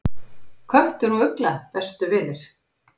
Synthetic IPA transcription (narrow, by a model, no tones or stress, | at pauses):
kʰvœht̪ʏɾhuʏklaθɛst̪ʏvɪːnɪɾ̥